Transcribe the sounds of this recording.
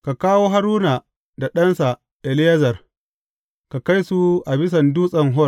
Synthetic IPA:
ka˨kaː˦woː˦ɦa˦ɾuː˦na˨ | da˨ɗɐ˦nsa˨ | ʔɛ˨lɪ˦jɐ˦zɐ˨r | ka˨ka˦jsu˦ʔa˨bɪ˦s̬ɐ˨nduː˦sʼɐ˨ŋɦɔ˦

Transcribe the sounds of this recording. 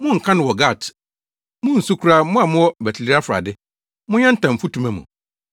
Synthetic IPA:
mʊ̃˦ŋ̩˨kʰã˦nʊ̃˨wɔ˨ɡa˦˨t | mʊ̃˦n̩˨su˦kʰu˦ɾa˦mʊ̃˦a˨mʊ̃˦wɔ˦˨bæ˨tʰi˨li˦ɾa˦fɾa̰˨dɪ˦ | mʊ̃˦ɲɛ̃˦n̩˦tʰã˨m̩˨fu˦tʰũ˨mæ̃˨mṵ̃˨

